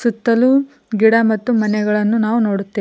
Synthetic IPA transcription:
sut̪ːɐlu | ɡiɽɐmɐt̪ːumɐnɛɡɐɭɐnːunaːʋuno̞ːɽut̪ːeː

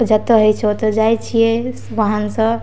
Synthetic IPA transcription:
d͡ʒət̪əɦəjt͡ʃʰot̪ɔd͡ʒajt͡ʃʰije | ʋəɦansə̃

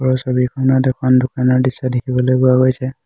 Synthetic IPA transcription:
ɔɹɔsobikʰɔnɔtɛkʰɔndʊkanɔɹdisɔdekʰibɔlojpʊaɡojsɛ

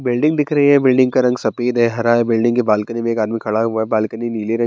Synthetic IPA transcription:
bɪlɖɪ̃ŋɡd̪ɪkʰɾɐɦiɦɛ̃bɪlɖɪ̃ŋɡkaɾɐ̃ŋɡsɐpiːd̪ɦɛɦɐɾaːɛbɪlɖɪ̃ŋɡkebaːlkənimẽeːkaːd̪mikʰɐɭaɦuaɛbaːlkəniniːleɾɐ̃

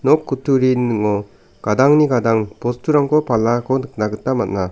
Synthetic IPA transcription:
nɔkːutuɾinɯŋɔ | ɡ̥adaŋniɡadaŋpɔstʰuɾaŋkʰɔpalːakʰɔnɯk̚naɡɯtːamat̚na

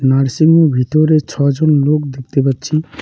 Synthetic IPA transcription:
naɾsiŋmebʱit̪ɔɾet͡ʃʰɔd͡ʒonlokd̪ek̚ʰt̪ebat̪t͡ʃʰi

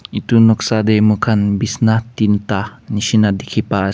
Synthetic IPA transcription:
it̪unɔksademukʰanbisnat̪int̪ahniʃinad̪ikʰipa

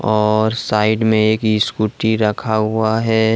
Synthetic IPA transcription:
ɔːɾsaːɪɖmẽeːkiskuʈiɾɐkʰaɦʊaɦɛ

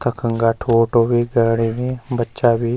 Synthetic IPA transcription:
t̪əkʰəŋɡaːʈʰoːʈoːbiːɡəːɽiːnĩːbətːʃaːbiː

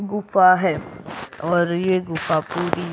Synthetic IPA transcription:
ɡʊfaɦɛːɔːɾjeɡʊfapuːɾi

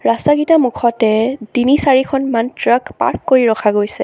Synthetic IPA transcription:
ɹastaɡitamukʰɔtɛdinisaɹikʰɔnmantɹakpa̰ɹkːoɹiɹɔxʰaɡojsɛ

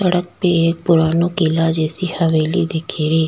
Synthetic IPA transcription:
səɽək̚peːeːk̚pʊɾaːnõːkilaːd͡ʒeːsiːhəʋeːliːd̪eːkʰeːɾeː

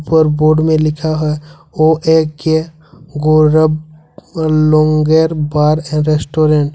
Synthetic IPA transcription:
pəɾboːɾɖmẽlɪkʰaɦɛ | oːʔeke | ɡoːɾəb | lɔ̃ːŋɡeɾbaːɾɛ̃ɖɾesʈoːɾẽɳʈ

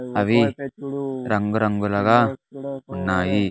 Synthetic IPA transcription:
ɐβi | ɾɐŋɡuɾɐŋɡulaɡa | unːaːji

